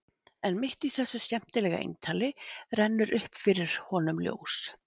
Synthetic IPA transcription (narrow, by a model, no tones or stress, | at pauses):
ɛnmɪht̪iθɛsːʏscɛm̥t̪ɪlɛːɣa̰ḛjnt̪ʰaːlɪrɛnːʏɾʔʏhpfɪɾɪɾ̥hɔnʏmljo̰ːws